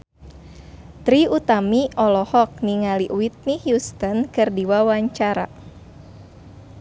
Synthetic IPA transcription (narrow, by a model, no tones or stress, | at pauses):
t̪ɾiut̪amiʔɔlɔhɔk̚niŋaliʔwit̪̚nihjust̪ɔnkɨrdiwawaɲt͡ʃaɾa̰